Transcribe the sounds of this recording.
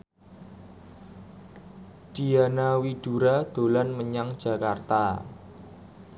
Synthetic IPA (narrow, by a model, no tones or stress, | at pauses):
d̥ianawiɖ̥uɾad̪̥olanməɲaŋd̥ʒ̥a̤kart̪a